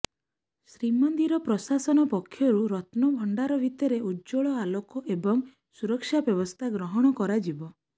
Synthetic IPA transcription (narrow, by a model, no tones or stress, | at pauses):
sɾimɔnd̪iɾɔpɾɔsasɔnɔpɔkʰjɔɾuɾɔt̪nɔbʱɔɳɖaɾɔbʱit̪ɔɾeud͡ʒoɭɔalokɔʔebɔŋ | suɾɔkʃabjɔbɔst̪ʰaɡɾɔɦɔɽ̃ɔkɔɾad͡ʒibɔ